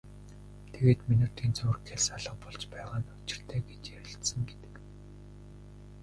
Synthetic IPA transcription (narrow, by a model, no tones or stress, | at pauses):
t̪ʰeɣeːt̪minuːrt̪ʰiːnt͡sɵrxʰeɮsaɮə̆q̚pɔɮt͡ɕpæːʁaːnʊt͡ɕɪ̥̆r̥t̪ʰæːɡet͡ɕjæɾʲɪ̆ɬt̪sə̆ŋɡet̪ɘ̥̆k